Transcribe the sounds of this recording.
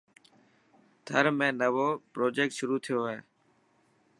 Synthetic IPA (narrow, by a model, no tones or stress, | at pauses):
d̪ʰʱəɾmẽːnəʋoːpɾoːd͡ʒeːk̚ʈʃʊɾuːt̪ʰɪjoːɦeː